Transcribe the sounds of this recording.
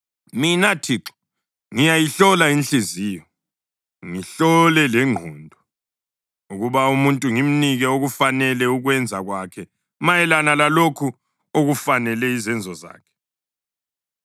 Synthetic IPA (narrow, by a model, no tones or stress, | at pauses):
minatʰiǁɔ̥ | ŋijajiɬɔlaint͡ɬeziːjɔ | ŋiɬɔlɛlɛŋ͡ǃʱuːndʱɔ | uɣuβaumuntʼuŋim̩niɣɛoɣufanɛlɛuɣwɛnd͡zʱaɣwakʰɛ | majɛlanalalokʰu | oɣufanɛlɛizɛnd͡zʱɔza̰ːkʰɛ̥